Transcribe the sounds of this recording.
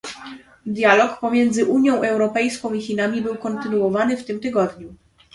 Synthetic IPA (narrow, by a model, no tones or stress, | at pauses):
d̪jalɔkpɔmʲjɛnd̪zɘʔuɲjɔ̃w̃ɛwɾɔpɛjskɔ̃w̃ixinamʲibɘwkɔnt̪ɘnuwɔvanɘft̪ɘmt̪ɘɡɔd̪ɲu